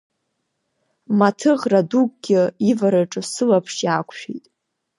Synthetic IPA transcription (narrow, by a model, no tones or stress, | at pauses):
matʰɨʁradukʼɡʲɪivaɾɨʈ͡ʂʼɨsɨlapʰʂjaːkʷʰʃᶣḭjtʼ